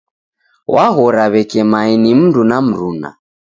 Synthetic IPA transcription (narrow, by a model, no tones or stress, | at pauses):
waɣɔɾaβɛkɛmainim̩ndunam̩ɾuna̰